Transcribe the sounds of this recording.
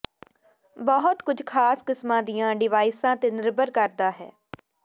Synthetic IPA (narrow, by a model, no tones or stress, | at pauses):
bɔɦʊt̪kʊd͡ʒʱkʰaːskɪsmãːd̪ijãːɖɪʋaːɪsãːt̪eːnɪɾbəɾkəɾd̪aːɦɛ̰ː